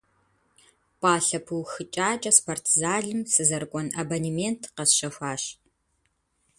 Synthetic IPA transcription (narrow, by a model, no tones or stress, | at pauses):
pʼaːɬɐpʰuwxɨt͡ʃʼaːt͡ʃʼɐspʰortʰzaːɮɨmsɨzɐrkʷʼɔnɐbɐnimentʰqɐsʃɐxʷaːɕ